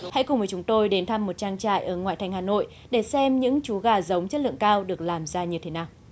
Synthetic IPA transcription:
ha̰˧˥jkʊ˨˩ŋ͡mvəː˨˦t͡ɕʊ˨˦ŋ͡mt̪o˧jɗe˨˦nt̪ʰa˧mːo˨˩t̚t͡ɕaː˧ŋt͡ɕa̰ː˧˨jʔəː˧˩ŋwa̰ː˧˨t̪ʰa˨˩jŋ̟haː˨˩no̰˧˨j | ɗe˧˩sɛ˧mɲɨ̰˧˥ŋt͡ɕu˨˦ɣaː˧˩zə˨˦wŋ͡mt͡ɕə˦˥t̚lɨ̰˧əŋkaː˧wɗɨ˨˩ək̚laː˨˩mzaː˧ɲɨ˧t̪ʰe˨˦naː˨˩w

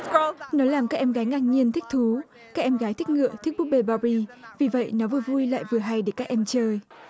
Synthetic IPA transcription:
nɔ˨˦laː˨˩mkaː˦˥k̚ʔɛ˧mɣaː˨˦jŋaː˧˩k̚ɲi˧ənt̪ʰï˦˥k̟̚t̪ʰu˨˦ | kaː˦˥k̚ʔɛ˧mɣaː˨˦jt̪ʰi˦˥k̟̚ŋɨ̰˧˨ət̪ʰi˦˥k̚ɓu˦˥ɓe˧ɓa˧ɹi˧vi˨˩və̰˧˨jnɔ˨˦vɨ˨˩əvu˧jla̰ː˧˨jvɨ˨˩əɦa˧jɗe˧˩kaː˦˥k̚ʔɛ˧mt͡ɕəː˧j

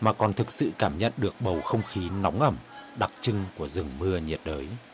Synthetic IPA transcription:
maː˨˩kɔ˨˩nt̪ʰɨ˨˩k̚sɨ̰˧˨kaː˧˩mɲə̰˧˨nɗɨ˨˩ək̚ɓə˨˩wxə˧wŋ͡mxi˨˦nɔ˨˦wŋ͡mʔə˧˩mɗa˨˩k̚t͡ɕɨ˧ŋku˧˩əzɨ˨˩ŋmɨ˧əɲi˨˩ət̚ɗəː˨˦j

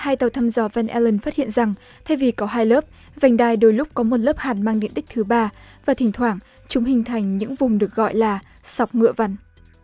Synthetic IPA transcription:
haː˧jt̪ə˨˩wt̪ʰa˧mzɔ˨˩vɛ˧nʔɛ˧lə˧nfaː˦˥t̚hḭ˧˨ənza˨˩ŋ | t̪ʰa˧jvi˨˩kɔ˨˦ɦaː˧jləː˦˥p̚ | va˨˩jŋ̟ɗaː˧jɗo˧˩jlʊ˦˥k͡p̚kɔ˨˦mo˨˩t̚ləː˦˥p̚haː˨˩nmaː˧ŋɗe˧˩˨nɗï˦˥k̟̚t̪ʰɨ˨˦ɓaː˧vaː˨˩t̪ʰï˨˩ŋ̟t̪ʰwaː˧˩ŋ | t͡ɕʊ˨˦ŋ͡mhï˨˩ŋ̟t̪ʰa˨˩jŋ̟ɲɨ̰˧˥ŋvʊ˨˩ŋ͡mɗɨ˨˩ək̚ɣɔ̰˧˨jlaː˨˩ | sa˨˩wk͡p̚ŋɨ̰˧˨əva˨˧˩n

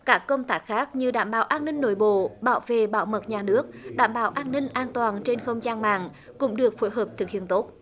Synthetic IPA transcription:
kaː˦˥kːə˧wŋ͡mt̪aː˦˥k̚xaː˦˥k̚ɲɨ˧ɗaː˧˩mɓa̰ː˧˩wʔaː˧nːï˧ŋ̟no˧˩jɓo̰˧˨ɓa̰ː˧˩wvḛ˧˨ɓa̰ː˧˩wmə˨˩t̚ɲaː˨˩nɨ˦˥ək̚ɗa̰ː˧˩mɓaː˧˩wʔaː˧nnï˧ŋ̟ʔaː˧nt̪waː˨˩nt͡ɕe˧nxə˧wŋ͡mzaː˧nma̰ː˧˨ŋ | kʊ̰˧˥ŋ͡mɗɨ˨˩ək̚fo˨˦jɦəː˨˩p̚t̪ʰɨ˨˩k̚hi˧˨ənt̪o˦˥t̚

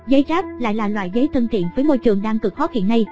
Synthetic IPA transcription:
zə˨˦jzaː˦˥p̚la̰ː˧˨jlaː˨˩lwa̰ː˧˨jzə˨˦jt̪ʰə˧nt̪ʰḭ˧˨ənvəː˨˦jmo˧jt͡ɕɨ˨˩əŋɗaː˧ŋkɨ˨˩k̚hɔ˦˥t̚hḭ˧˨nːa˧j

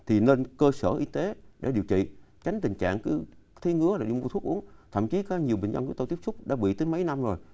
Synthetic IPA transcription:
t̪ʰi˨˩ne˧nkəː˧səː˧˩ʔi˧t̪e˨˦ɗḛ˧˩ɗi˨˩əwt͡ɕḭ˧˨t͡ɕa˨˦jŋ̟t̪ï˨˩ŋ̟t͡ɕa̰ː˧˨ŋkɨ˨˦t̪ʰi˨˦ŋɨ˨˧˥əlaː˨˩ɗi˧mu˧t̪ʰu˦˥ək̚ʔu˨˦əŋt̪ʰə̰˧˨mt͡ɕi˨˦kaː˨˦˥ɲi˨˩əwɓï˨ŋ̟zə˧nt͡ɕʊ˨˦ŋ͡mt̪ə˧t̪i˦˥əpsʊ˦˥k͡p̚ɗa̰ː˧˥ɓḭ˧˨t̪əɨ˨˦jmə˨˦jna˧mzo˨˩j

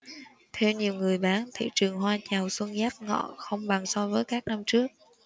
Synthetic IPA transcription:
t̪ʰɛ˧wɲi˨˩əwŋɨ˨˩əjɓaː˨˦nt̪ʰḭ˧˨t͡ɕɨ˨˩əŋɦwaː˧t͡ɕa˨˩wswə˧nɣaː˦˥p̚ŋɔ̰˧˨xə˧wŋ͡mɓa˨˩ŋsɔ˧vəː˨˦jkaː˦˥k̚na˧mt͡ɕɨ˦˥ək̚

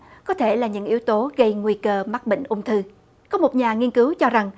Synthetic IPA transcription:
kɔ˨˦t̪ʰe˧˩laː˨˩ɲɨ̰˧˥ŋʔi˨˦əwt̪o˨˦ɣə˧jŋwi˧kəː˧ma˦˥t̚ɓḭ˧˨ŋ̟ʔʊ˧wŋ͡mt̪ʰɨ˧ | kɔ˨˦mo˨˩t̚ɲaː˨˩ŋi˧ənkɨ˨˦wt͡ɕɔ˧za˨˩ŋ

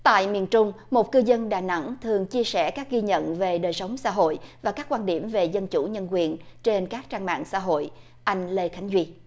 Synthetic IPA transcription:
t̪a̰ː˧˨jmḭ˨˩ənt͡ɕʊ˧ŋ͡m | mo˨˩t̚kɨ˧zə˧nɗaː˨˩na̰˧˥ŋt̪ʰɨ˨˩əŋt͡ɕi˧əsɛ̰˧˩kaː˦˥k̚ɣi˧ɲə̰˧˨nve˨˩ɗəː˨˩jsə˨˦wŋ͡msa̰ː˧˥ɦo̰˧˨jvaː˨˩kaː˦˥k̚ːwaː˧nɗi˧˩əmve˨˩zə˧nt͡ɕṵ˧˩ɲə˧nkwi˨˩ənt͡ɕe˧nkaː˦˥k̚t͡ɕaː˧nma̰ː˧˨ŋsa̰ː˧˥ɦo̰˧˨j | ʔa˧jŋ̟le˧xa˨˦jŋ̟zwi˧

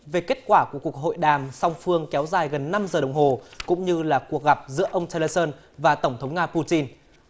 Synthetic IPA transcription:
ve˨˩ke˦˥t̚kwaː˧˩ku˧˩əku˨˩ək̚ɦo̰˧˨jɗaː˨˩msa˧wŋ͡mfɨ˧əŋkɛ˨˦wzaː˨˩jɣə˨˩nːa˧mzəː˨˩ɗə˨˩wŋ͡mɦo˨˩kʊ̰˧˥ŋ͡mɲɨ˧laː˨˩ku˨˩ək̚ɣa˨˩p̚zɨ̰˧˥əʔə˧wŋ͡mt͡ɕe˧lə˧səː˧n | vaː˨˩t̪ə˧˩wŋ͡mt̪ʰə˨˦wŋ͡mŋaː˧pu˧t͡ɕi˧n

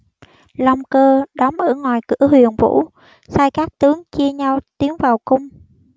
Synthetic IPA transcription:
lɔ˧wŋ͡mkəː˧ɗɔ˨˦mʔəː˧˩ŋwaː˨˩jkɨ̰˧˩˥əhwi˨˩ənvṵ˧˥ | saː˧jkaː˦˥k̚t̪ɨ˨˦əŋt͡ɕi˧əɲa˧wt̪i˨˦əŋvaː˨˩wkʊ˧ŋ͡m

